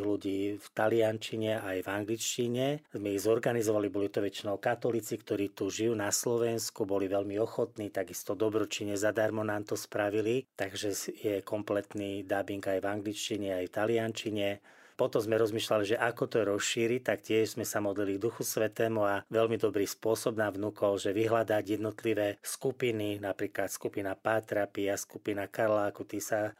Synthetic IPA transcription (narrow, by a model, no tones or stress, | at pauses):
luɟiːft̪aliant͡ʃiɲɛajvaŋɡlit͡ʃciɲɛzmɛiɣzɔɾɡanizɔʋalibɔlit̪ɔʋɛt͡ʃinɔʊkat̪ɔlit͡sikt̪ɔɾiːt̪uʒijuːnaslɔʋɛnskubɔliʋɛlmiɔxɔt̪niːt̪aɡist̪ɔd̪ɔbɾɔt͡ʃiɲɛzad̪aɾmɔnaːmt̪ɔspɾaʋilit̪aɡʒɛjɛkɔmplɛt̪niːd̪abiŋɡajvaŋɡlit͡ʃciɲɛajft̪aliant͡ʃiɲɛ | pɔt̪ɔmzmɛɾɔzmiːʃlaliʒɛʔakɔt̪ɔɾɔsʃiːɾict̪akcɪɛʒzmɛsamɔd̪liliɡ̚d̪uxusʋɛt̪ɛːmuaʋɛlmid̪ɔbɾiːspʊɔsɔbnavnukɔlʒɛʋiɦlad̪aɟjɛd̪nɔt̪liʋɛːskupininapɾiːklat̪skupinapat̪ɾapiaskupinakaɾlaːkut̪iːsa